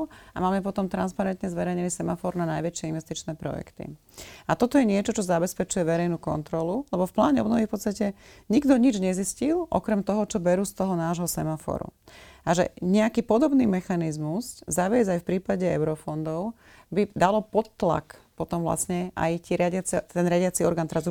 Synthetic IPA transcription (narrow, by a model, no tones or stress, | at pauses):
a̰maːmɛp̬ɔt̪ɔmt̪ɾanspaɾɛnt̪ɲɛzʋɛɾɛjɲilisɛmafɔɾnanajʋɛt͡ʃɪɛinʋɛst̪it͡ʃnɛːpɾɔ̰jɛ̰kt̪ḭ | at̪ɔt̪ɔjɛɲɪɛt͡ʃɔt͡ʃɔzabɛspɛt͡ʃujɛʋɛɾɛjnuːkɔ̰nt̪ɾɔlulɛbɔfpla̰ːɲɛɔbnɔʋifpɔst̪acɛɲiɡd̪ɔɲid͡ʒɲɛziscilˠʔɔ̰kɾɛmt̪ɔɦɔt͡ʃɔbɛɾuːst̪ɔɦɔnaːʒɦɔsɛmafɔ̰ɾṵaʒɛ̰ɲɛakiːpɔd̪ɔbniːmɛxanizmuszaʋɪɛzajfpɾiːpaɟɛɛʊɾɔfɔnd̪ɔʊ | bid̪alɔpɔt̪ːla̰kpɔt̪ɔmʋla̰sɲɛʔa̰jt̪iːɾɪaɟat͡sɛt̪ɛnɾɪaɟɪat͡siɔɾɡaːnt̪ɛɾazu